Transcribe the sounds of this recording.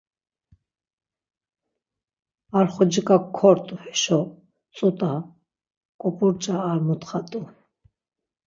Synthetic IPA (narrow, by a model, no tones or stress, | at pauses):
aɾχɔd͡ʒikʼakʰːɔɾt̪ʼuhɛʃɔ | t͡sʼut̪ʼa | kʼɔpʼuɾt͡ʃʼaːɾmut̪χat̪ʼu